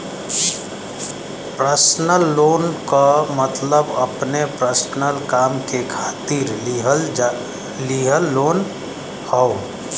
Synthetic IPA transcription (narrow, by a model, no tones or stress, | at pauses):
pɾəsnəlːoːnkəmət̪ləbəpnepɾəsnəlkamkekʰaːt̪iɾɦəl | liɦəlːoːn | həo